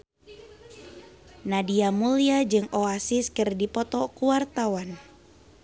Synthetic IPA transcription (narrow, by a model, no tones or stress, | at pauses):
nadiamuliad͡ʒɨŋʔoasiskɨrdipɔt̪ɔkuwart̪awan